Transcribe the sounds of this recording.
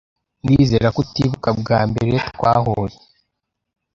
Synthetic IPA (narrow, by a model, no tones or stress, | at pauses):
ŋɡiːzeːɾakutiβukabɡaːmbe̞ɾetkwaːhoje